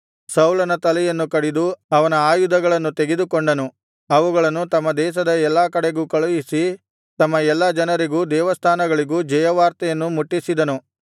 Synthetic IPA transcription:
sɐwlɐnɐt̪ɐlɛjɐnːukɐɽid̪uɐʋɐnɐaːjud̪ɐɡɐɭɐnːut̪eɡed̪ukoɳɖɐnu | ɐʋuɡɐɭɐnːut̪ɐmːɐd̪ɛːʃ̬ɐd̪ɐɛlːaːkɐɽeɡukɐɭɐjisi | t̪ɐmːɐɛlːɐd͡ʒɐnɐɾiɡuːd̪ɛːʋɐst̪ʰaːnɐɡɐɭiɡuːd͡ʒɐjɐʋaːɾt̪ɐjɐnːumuʈːisid̪ɐnu

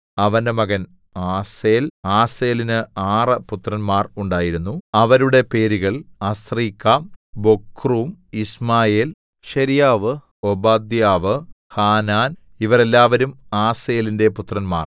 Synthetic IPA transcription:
ɐʋɐndemɐɣɐn | aːseːlaːse̞ːlinɨaːrɨput̪rɐnmaːruɳɖaːjiɾunːuɐʋɐɾuɽe̞pe̞ːɾiɣɐɭɐsriːkːabo̞kːruːmismaːjeːl | ɕɐɾijaːʋɨ | obaːd̪jaːʋɨ | haːnaːn | iʋɐre̞lːaːʋɐɾumaːseːlinde̞put̪rɐnma̰ːr

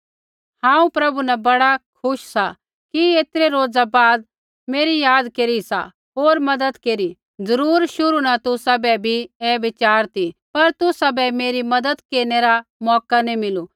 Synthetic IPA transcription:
hãːũpɾɐbunɛbɐɽakʰʊʃsa | kieːt̪ɾeɾoːd͡zabaːd̪̚ | meːɾijaːd̪keːɾisa̰ | ɦoːɾmɐd̪əd̪keːɾi | d͡zɐɾuːɾʃʊɾunat̪ʊsabɛbʱieːʋɪt͡ʃaːɾt̪ipɐɾt̪ʊsabɛmeːɾimɐd̪əd̪keːɾneɾamɔːkanimɪlu

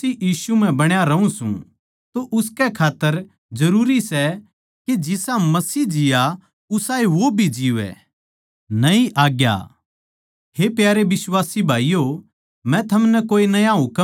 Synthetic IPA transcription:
ijiːsum̤ɛ̃bɐɽ̃jaɾɐũsṵ̃ | t̪oʔʊskɛkʰaːt̪ːəɾ | d͡ʒɐɾuːɾisɛ | ked͡ʒɪsãmɐsiːd͡ʒɪja | ʊsaːeʋobʱid͡ʒiːʋɛ̰ː | nɐĩʔaːɡja̰ | hepjaːɾeʋɪswaːsibʱaːijo | mɛ̃t̪ʰɐmnɛkoːinɐjaɦʊk

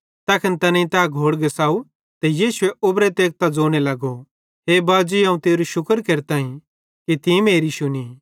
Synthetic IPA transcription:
t̪ɐːkʰɪnt̪ɐnɐ̃ĩt̪ɛɡʱoːɽɡɛsaːu | t̪ɛjiːʃʊɛʔʊbɾɛt̪eːk̚t̪ad͡zoːɽ̃elɐɡo | ɦeːbaːd͡ʒiãːũt̪eːɾuʃʊkəɾkeɾt̪aːĩ | kit̪ĩmeːɾiʃʊni

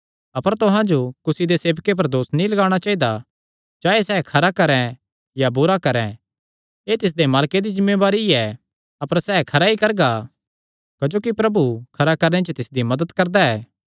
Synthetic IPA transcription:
ɐpəɾt̪ʊɦãd͡ʒokʊsid̪eseːʋkep̬ɐɾd̪oːsnĩlɐɡaːɽ̃at͡ʃaːid̪a | d͡ʒaːesɛːkʰɐɾakɐɾɛ̃ | jabʊɾakɐɾɛ̃ | eːt̪ɪs̬d̪emaːlked̪id͡ʒɪ̃mːeʋaːɾiɛ | ɐpəɾsɛːkʰɐɾaikɐɾɡa | kɐd͡ʒoːkipɾɐbukʰɐɾakɐɾñet͡ʃət̪ɪsd̪imɐd̪əd̪kɐɾd̪aɛː

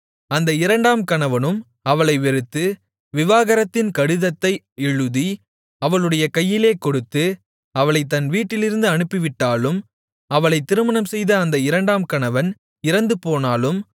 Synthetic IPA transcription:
ɐnd̪ɐɪɾɐɳɖaːmkɐɳɐʋɐnɯm | ɐʋɐɭɐɪʋɛɾɯt̪ːɯ | ʋɪʋaːɣɐɾɐt̪ːɪnkɐɽɯðɐt̪ːɐɪ | ɛɻɯði | ɐʋɐɭɯɽɐjɐkɐjːɪleːkɔɽɯt̪ːɯ | ɐʋɐɭɐɪt̪ːɐnʋiːʈːɪlɪɾɯnd̪ɯɐnɯpːɪʋɪʈːaːlɯm | ɐʋɐɭɐɪt̪ːɪɾɯmɐnɐmsɛjðɐːnd̪ɐɪɾɐɳɖaːmkɐɳɐʋɐn | ɪɾɐnd̪ɯpoːnaːlɯm

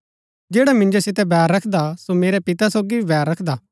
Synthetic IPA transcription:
d͡ʒeːɽamɪ̃nd͡ʒosɪt̪̬ɛbɛːɾːɐkʰd̪asomeːɾɛpɪt̪asoːɡiibɛːɾːɐkʰd̪aː

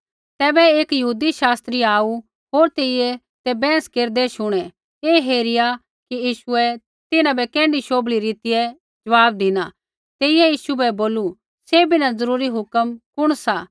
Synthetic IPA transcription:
t̪ɛːbɛeːkjɐɦuːd̪iʃaːst̪ɾiaːu | ɦoːɾt̪eːɪjɛ | t̪ɛbɛ̃ːskeːɾd̪ɛʃʊɽ̃ɛ̃ | eːɦeːɾɪja | kijiːʃʊɛ | t̪ɪnãbɛkɛ̃ːɳɖiʃoːbliɾɪt̪ɪjɛ | d͡ʒɐʋaːb̚d̪ɪna | t̪eːɪjɛjiːʃubʱɛboːlu | sebʱinãzɐɾuːɾiɦʊkəmkʊɽ̃saː

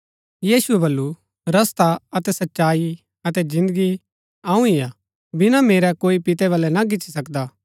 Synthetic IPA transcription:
jiːsuɛbɐlːu | ɾɐst̪aɐt̪ɛsɐtːʃaːi | ɐt̪ɛd͡ʒɪ̃nd̪əɡi | aːũɪjaː | bɪnãmeːɾɛkoːipɪt̪ɛʋɐːlɛnak̬ɪːt͡ʃisɐkd̪aː

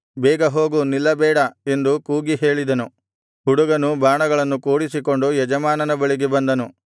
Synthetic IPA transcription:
bɛːɡɐɦo̞ːɡunilːɐbɛːɽɐe̞nd̪ukuːɡiɦe̞ːɭid̪ɐnu | ɦuɽuɡɐnubaːɳɐɡɐɭɐnːukuːɽisiko̞ɳɖujɛd͡ʒɐmaːnɐnɐbɐɭiɡebɐnd̪ɐnu

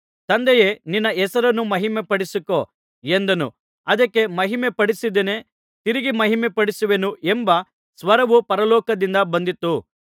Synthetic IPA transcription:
t̪ɐnd̪ejeninːɐɛsɐɾɐnːumɐɦimepɐɽisiko | end̪ɐnṵ | ɐd̪ɐkːe̞mɐɦimepɐɽisid̪ene | t̪iɾiɡimɐɦimepɐɽisuʋe̞nuʔembɐ | sʋɐɾɐʋupɐɾɐlɔːkɐd̪ind̪ɐbɐnd̪it̪ːu

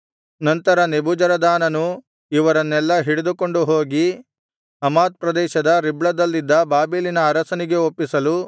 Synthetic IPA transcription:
nɐnt̪ɐɾɐnebud͡ʒɐɾɐd̪aːnɐnu | iʋɐɾɐnːɛlːɐɦiɽed̪uko̞ɳɖuɦoːɡi | ɐmaːt̪̚pɾɐd̪ɛːʃɐd̪ɐɾibɭɐd̪ɐlːid̪ːɐbaːbilinɐːɾɐsɐniɡe̞opːisɐlu

